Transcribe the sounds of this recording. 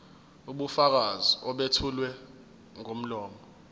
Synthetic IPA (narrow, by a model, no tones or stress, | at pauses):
uɓufak̬aziɔɓetʰulwɛ | ŋom̩lɔːmɔ